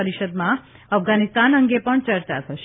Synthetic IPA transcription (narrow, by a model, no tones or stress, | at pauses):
əɾiʃəd̪mã | əfɡanist̪anəŋɡepəɳt͡ʃəɾt͡ʃat̪ʰəʃe